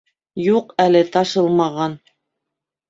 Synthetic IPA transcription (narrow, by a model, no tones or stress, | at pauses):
juqælɘt̪ɑʃɤlˠmɑʁɑn